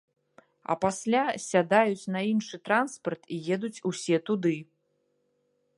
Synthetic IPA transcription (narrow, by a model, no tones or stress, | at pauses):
ɐ̰pasʲlʲasʲad̪ajut͡sʲnɐinʂɨt̪ɾanspɐrt̪ijɛd̪ut͡sʲusʲɛt̪ud̪ɨ